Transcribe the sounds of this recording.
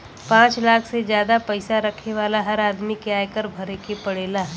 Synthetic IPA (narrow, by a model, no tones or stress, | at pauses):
pãːt͡ʃlaːkʰsed͡ʒjaːd̪apɐɪsaɾɐkʰneʋaːlaɦɐɾaːd̪mikeaːjkəɾbʱɐɾekepɐɽeːlaɦɛː